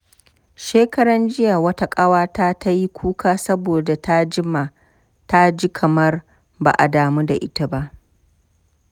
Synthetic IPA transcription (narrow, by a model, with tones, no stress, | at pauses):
ʃeː˦kɐ˦ɽɐ˦nd͡ʒɪ˦ja˨wɐ˦ta˦kʼɐ˦waː˦taː˦ta˦ji˦kʷʰuː˦kʰaː˦sɐ˦boː˨da˨ta˦d͡ʒɪ˦ma˨ | ta˦d͡ʒi˦kʰɐ˨mɐ˦r | ba̰ː˨ʔa˨daː˨mu˦da̰˨ʔɪ˦ta˦ba˦ʔ